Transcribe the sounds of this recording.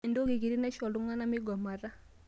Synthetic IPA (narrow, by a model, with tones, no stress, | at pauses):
ndo˦ki˨ki˨ɾi˦nɛ˦ʃɔ˨lu˦ŋwa˦na˦mi˦ɡɔ˨ma˨ɾa˦